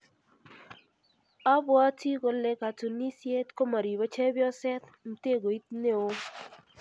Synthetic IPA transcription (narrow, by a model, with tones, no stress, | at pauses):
a˦bwɔ˦ti˦ɡo˨le˨ka˨tu˨ni˦sje˦tko˦ma˨ɾi˨ba˦t͡ʃe˦bjɔ˦sɛ˦t̪ | m̩˨te˦˨ɡo˨i˦t̪ne˦o˦